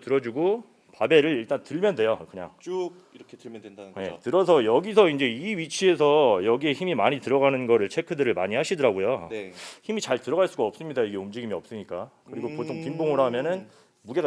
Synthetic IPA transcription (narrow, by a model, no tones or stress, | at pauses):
tɯɾʌd͡ʑuɡo | pabe̞ɾɯɾiɭt͈antɯɭmjʌnde̞jokɯɲa̰ŋt͡ɕ | ɾʌkʰeɯedaje̞tɯɾʌsʰʌjʌɡisʰʌind͡ʑe̞iɥit͡ɕʰiesʰʌjʌɡie̞çimimaɲitɯɾʌɡanɯnɡʌɾɯɭt͡ɕʰe̞kʰɯdɯɾɯɭmaɲiɦhaɕʰidʌɾaɡojo | çimit͡ɕaɭtɯɾʌɡaɭs͈uɡaʌp̚s͈ɯmɲidaiɡe̞umd͡ʑiɡimiʌp̚s͈ɯmɲik͈akɯɾiɡopotʰoŋpimboŋɯɾamjʌnɯn | muɡe̞ɡ